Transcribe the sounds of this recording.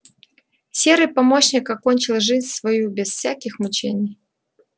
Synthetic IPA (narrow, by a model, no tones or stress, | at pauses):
sʲe̞ɾɨjpɐmo̞ɕnʲɪkɐko̞nʲt͡ɕɪlˠʐɨzʲnʲsvɐjubʲɪsfsʲækʲɪxmʊt͡ɕenʲɪj